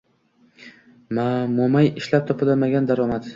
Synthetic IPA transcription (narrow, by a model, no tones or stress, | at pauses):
mamomajɪʃlap̚t̪ʰɒpʰɪlamaɡʲand̪aɾɒmat̪